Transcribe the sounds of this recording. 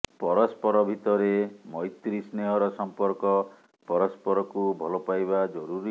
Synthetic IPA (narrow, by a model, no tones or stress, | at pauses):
pɔɾɔspɔɾɔbʱit̪ɔɾemɔjt̪ɾisneɦɔɾɔsɔmpɔɾkɔ | pɔɾɔspɔɾɔkubʱɔlɔpajbad͡ʒɔɾuɾi